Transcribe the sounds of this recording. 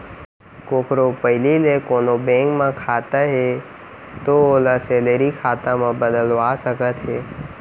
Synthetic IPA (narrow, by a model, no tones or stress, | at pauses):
koːkɾopəɦɪlilekoːnobẽŋkmãkʰaːt̪aɦe | t̪ooːlaseːleɾikʰaːt̪ãmãbəd̪əlʋasəkət̪ɦeː